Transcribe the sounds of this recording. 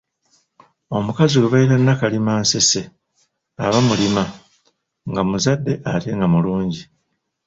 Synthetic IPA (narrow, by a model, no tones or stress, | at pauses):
o̞mukaziweβajiɾanːakalimaːnse̞se̞ | aβamulima | ŋɡamuzadːe̞ʔate̞ŋɡamuluːɲɟi